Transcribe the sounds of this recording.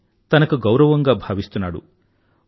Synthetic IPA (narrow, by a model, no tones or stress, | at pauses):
t̪ɐnɐkuɡɐwɾɐʋɐŋɡaːbʱaːʋist̪unːaːɽṵ